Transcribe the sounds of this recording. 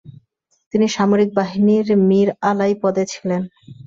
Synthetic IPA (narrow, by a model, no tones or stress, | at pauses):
t̪iniʃamoɾik̚baɦiniɾmiɾalajpɔd̪et͡ɕʰilen